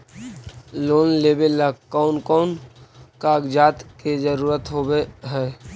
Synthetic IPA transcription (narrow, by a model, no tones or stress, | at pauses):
loːnleːbelːəkɔʊnkɔʊnkaɡd͡ʒaːt̪ked͡ʒəɾuːɾət̪ɦobeɦɛː